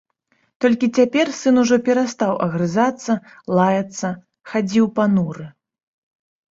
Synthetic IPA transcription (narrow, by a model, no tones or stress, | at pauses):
t̪ɔlʲkʲit͡sʲapʲɛrsɨnuʐɔpʲɛɾast̪awʔɐɣɾɨzat̪sːɐ | lˠajɐt̪sːɐ | xad͡zʲiwpanuɾɨ